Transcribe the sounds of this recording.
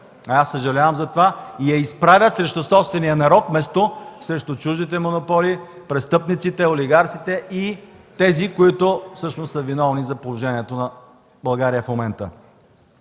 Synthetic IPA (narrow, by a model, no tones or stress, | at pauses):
ɐasːəʒɐlʲavəmzɐt̪ovaijɐispɾavʲət̪sɾɛʃt̪osɔpst̪vɛnijənɐɾɔk̪mɛst̪osɾɛʃt̪ot͡ʃuʒd̪it̪ɛmonopɔli | pɾɛst̪ɤpnit̪sit̪ɛolʲiɡaɾt̪sit̪ɛʔi | t̪ɛzikoit̪ʊfsɤʃnosːəvinɔvnizɐpolˠoʒɛniɛt̪onɐ | bɐlˠɡaɾijəfmomɛnt̪ə̰